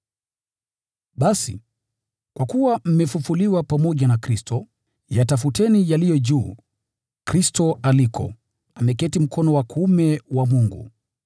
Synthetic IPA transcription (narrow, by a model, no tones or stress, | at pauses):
ɓasḭ | kwakuwam̩mɛfufuliwapamɔʄanakɾistʰɔ | jatafutɛnijalijɔʄuː | kɾistɔalikʰɔ̰ | amɛkɛtim̩kʰɔnɔwakumɛwamuŋɡṵ